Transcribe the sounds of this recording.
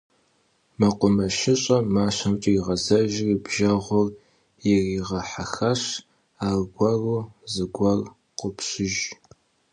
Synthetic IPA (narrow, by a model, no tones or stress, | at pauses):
mɐqʷʊmɐʃɪɕʼɐmaːɕɐmt͡ʃʼiiʁɐzɐʒribʒɐʁʷʊr | jɪriːʁɐħaxɐɕ | aːrɡʷɐruːzɨɡʷɐr | qʷʊpɕɪʒ